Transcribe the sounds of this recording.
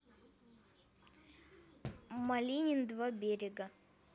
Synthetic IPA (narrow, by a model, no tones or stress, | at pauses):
mɐlʲinʲɪnd̪vabʲeɾʲɪɡə